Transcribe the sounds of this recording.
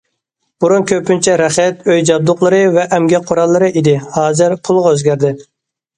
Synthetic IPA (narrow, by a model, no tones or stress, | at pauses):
b̥uɾunkʲʰøpynt͡ʃʰɛɾɛχɛt̪øjd͡ʒɑb̚d̪ʊqlˠəɾɨvɛʔɛmɡʲɛqʰːoɾɑlˠːɨɾɨʔid̪ɪhɑːzɨɾpʰulˠʁɑøzɡʲæɾd̪ɪ